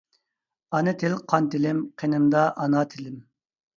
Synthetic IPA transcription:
ɑnɨt̪ʰɪlqʰɑnt̪ɪlɪmqʰenɪmd̪ɑʔɑnɑt̪ʰɪlɪm

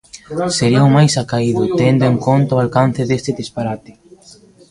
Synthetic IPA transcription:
seɾiɐʊmajsakaiðʊt̪end̪oʊeŋkont̪awalkan̟θeðest̪ɪðispaɾat̪ɪ̥

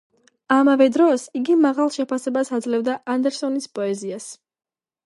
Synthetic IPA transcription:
amavɛd̪ɾɔsiɡimaʁalˠʃɛpʰasɛbasad̪zlɛvd̪aʔand̪ɛɾsɔnispʼɔɛzias

